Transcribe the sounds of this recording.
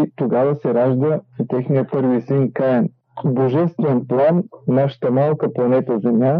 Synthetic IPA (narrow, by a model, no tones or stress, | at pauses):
t̪oɡavəsɛɾaʒd̪ət̪ɛxniəpɤɾvisinkaɛn | boʒɛst̪vɛnplˠanːaʃə̥t̪əmalˠkəplˠɐnɛt̪əzɛmja